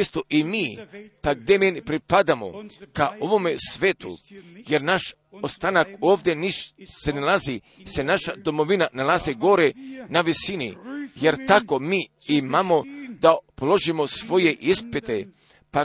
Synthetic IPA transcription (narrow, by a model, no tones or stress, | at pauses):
est̪oʔimiːpaɡd̪emenipɾipad̪amo̰kaʔoʋomesʋeːt̪ṵjeɾnaʃ | ost̪anakoːʋd̪ʲeniʃsenalazi | senaʃad̪o̞moʋinanalaziɡoɾenaʋisinḭjeɾt̪ako̞miː | imamod̪apolo̞ʒimo̞sʋo̞jeʔispit̪e | pa